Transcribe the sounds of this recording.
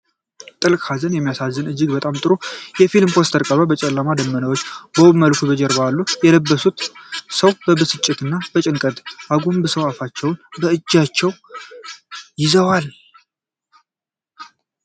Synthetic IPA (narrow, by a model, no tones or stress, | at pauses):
t̪ʼɨlkʼhazənjɛmːijasazːɨnɨd͡ʒːɪɡbət̪ʼamt̪ʼɨɾojɛfilmpʰo̞st̪ʰəɾkʼəβəbət͡ʃʼɛlːamad̪əmːənəwot͡ʃːbəwməlkʰubəd͡ʒɛɾbalːujɛləbːəsut̪səwbəbɨsɨt͡ʃʼːɪt̪ɨnːab̥ət͡ʃʼɪŋkʼəd̪ʔaɡombɨsəwafat͡ʃːɛwnbəɨd͡ʒːat͡ʃːɛw | jɪzəwal